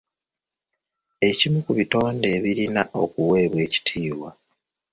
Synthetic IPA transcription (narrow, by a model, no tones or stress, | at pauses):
e̞cimukuβito̞ːnde̞ːβiɾinaʔo̞̰kuwe̞ːβwe̞ːci̥tʰiːwa